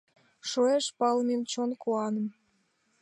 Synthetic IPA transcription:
ʃoeʃpɑlment͡ɕonkʰoɑnə̆m

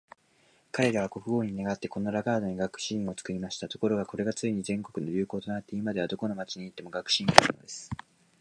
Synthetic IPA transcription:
kaɾe̞ɾaβako̞kɯ̟ɡo̞ːɲ̟ine̞ɡat̪ːe̞kõ̞nːoɾaɡaːd̪o̞ɲ̟iɡakɯ̟̥ɕĩːɰ̃o̞t͡sɨ̥kɯ̟ɾʲimaɕi̥t̪at̪o̞ko̞ɾo̞ɡako̞ɾe̞ɡat͡sɨiɲ̟izẽ̞ŋko̞kɯ̟no̞ɾʲɨːko̞ːt̪o̞nat̪ːe̞imad̪e̞β̞ad̪o̞ko̞no̞mat͡ɕiɲ̟iːt̪ːe̞mo̞ɡakɯ̟̥ɕĩːaɾɯno̞̰d̪e̞sɨ̥

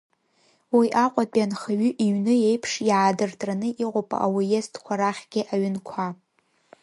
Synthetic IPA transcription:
wiʔaqʷʼapʼjanχaɥʏʔiɥnɨjejpʰʂjaaːdɨrtʼranɨʔiqʷʼopʼa̰ʔawijestʰkʷʰaɾaχʲɡ̥ʲɪʔaɥɪnkʷʰa

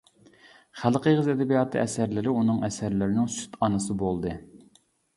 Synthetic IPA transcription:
χælˠqəʁəzɛd̪ɛbijɑt̪ʰɨ̰ɛsæɾlɪɾɪunɨŋɛsæɾlɪɾɪnɪŋsy̥t̪ʰɑnɨsɨbolˠd̪ɨ

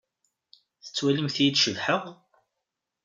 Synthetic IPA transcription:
θə̥t͡sːwæləmθjid̪ʃəvħəʁ

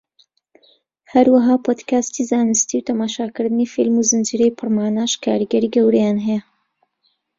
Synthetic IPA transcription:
hɐɾwɐɦaːpʰoːd̪kaːst̪izaːnɨst̪iwt̪ʰɐmaːʃaːkɨɾd̪ɨnifilmuzɨnd͡ʒiɾejpʰɨrmaːnaʃkʰaːɾɨɡɐɾiːɡɐwɾɐjaːnɦɛjɛ

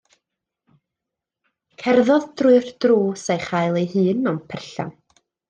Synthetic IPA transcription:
kʰɛrðɔðd̥rʊɨrd̥ruːsejχajlˠejɦɨːnɔmpʰɛrɬa̰n

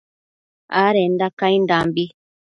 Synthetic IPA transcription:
aːɾɛndakaindambi

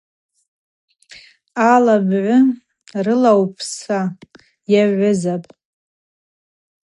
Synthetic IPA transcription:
alabʕʷʊ | rɨlawpʰsa | jaʕʷʊzapʼ

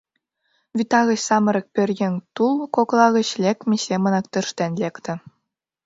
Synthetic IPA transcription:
vʲit̪ɑɣʲɤ̆ɕsɑmɤ̆ɾʲɤ̆k̚pʲɘ̆rʲjɘ̆nʲt̪ulˠkoklˠɑɣʲɤ̆ɕlʲekʲmʲesʲemɤ̆nɑkt̪ɤ̆ʂt̪ænʲlʲekt̪ʲɘ̆

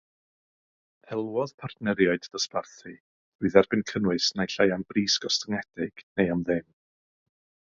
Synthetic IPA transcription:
hɛlˠwɔðpʰartnɛɾjaɨddəsparθi | uːðɛrbɪnkʰənwɨsnajɬajanbriːsɡ̥ɔstəŋɛd̥ɪɡ̥nejamðɪm

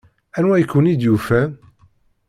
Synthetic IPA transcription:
ænwæjəkːwənid̪jufæ

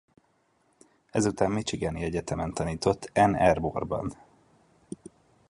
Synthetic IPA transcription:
ɛzut̪aːmmit͡ʃiɡɛniɛɟɛt̪ɛmɛnt̪ɒniːt̪o̞t̪ʰːɛnɛrborbɒ̰n

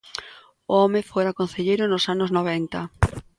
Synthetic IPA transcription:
ʊɔmɪfoɾakon̟θeʎejɾʊnʊsanʊznoβ̞ɛnt̪ɐ

